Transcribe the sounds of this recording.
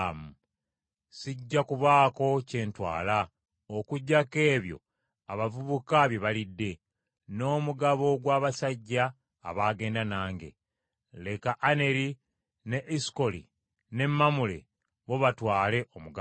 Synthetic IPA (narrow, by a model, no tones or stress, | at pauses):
mu | siɟːakuβaːko̞ce̞ːntwa̰ːla | okuɟːake̞ːβjo̞̰ | aβavuβukaβje̞βalidːe̞ | no̞ːmuɡaβo̞ɡwaːβasaɟːa̰ː | βaːɡe̞ːndanaːŋɡe̞̰ | le̞kaʔːne̞ɾi | neʔisko̞lḭ | ne̞mːamule̞̰ | βo̞βatwaːle̞ʔo̞muɡa